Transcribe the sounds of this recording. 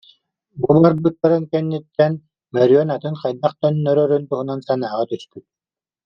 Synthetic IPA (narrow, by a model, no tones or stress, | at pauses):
bubaɾbɯt̪ːaɾɯnkɛnːit̪ːɛn | mɛɾyœnat̪ɯnqajd̪aχt̪œnːœɾœɾynt̪uɦunansanaːʁat̪yspyt̪̚